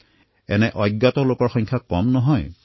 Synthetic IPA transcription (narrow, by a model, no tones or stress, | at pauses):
ɛ̰nɛʔɔjɡːat̪ɔlokɔɹxɔjŋkʰakɔmnɔɦɔj